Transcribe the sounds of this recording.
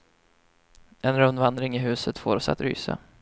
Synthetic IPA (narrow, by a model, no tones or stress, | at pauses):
ɛnɾɵnvand̪ɾɪŋɪɦʉ̟ːsət̪fo̰ːɾɔsa̰t̪ɾy̰ːsa̰